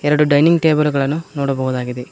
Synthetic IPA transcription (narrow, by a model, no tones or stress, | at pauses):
eɾɐɽuɖɐjniŋɡʈeːbɐlɣɐɭɐnːunoːɽupoːɣɐðaːɣiðɯ